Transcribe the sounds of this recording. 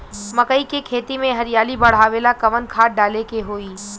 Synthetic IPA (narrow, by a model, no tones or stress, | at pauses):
mɐkəikekʰeːt̪imẽɦɐɾɪjaːlibɐɽ̤aːʋeːlakɐʋənkʰaːʈ̚ɖaːlekeɦoːiː